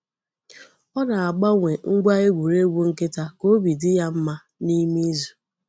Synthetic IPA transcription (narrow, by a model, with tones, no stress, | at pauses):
ɔ˦na˨a˨ɡ͡ba˦ŋʷe˨ŋ̩˦ɡʷa˦e˦ɡʷu˨ɾe˦ɡʷu˦ŋ̩˦kɪ˦ta˦ko˦bi˨dɪ˦ja˦m̩˦ma˦ | ni˦mi˦zu̥˨